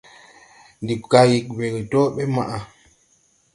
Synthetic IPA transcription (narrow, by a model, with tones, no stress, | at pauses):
ndi˨ka˨ji˨k̚we˨ɡi˨to˦ɓɛ˦ma˨ʔa˨